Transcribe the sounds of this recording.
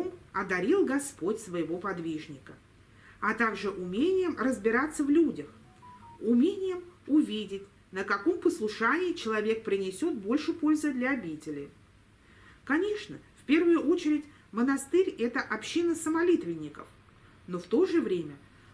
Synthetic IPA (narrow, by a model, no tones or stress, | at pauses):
omɐd̪ɐɾʲilˠɡɐspo̞tʲsvəjɪvo̞pɐd̪vʲiʐnʲɪkə | ɐt̪aɡʐɨʔʊmʲenʲɪjəmrəzbʲɪɾat̪sːəvlʲudʲəx | ʊmʲenʲɪjəmʊvʲidʲɪtʲ | nəkɐko̞mpəslˠʊʂanʲɪːt͡ɕɪlˠɐvʲe̞k̚pɾʲɪnʲɪsʲo̞t̪̚bo̞lʲʂɨpo̞lʲzɨd̪lʲɐːbʲitʲɪlʲɪ | kɐnʲe̞ʂnəfpʲe̞rvʊjʊʔo̞t͡ɕɪɾʲɪtʲ | mənɐst̪ɨɾʲɛt̪əʔɐpɕːinəsəmɐlʲit̪vʲɪnʲːɪkə̰f | no̞ft̪o̞ʐɨvɾʲemʲə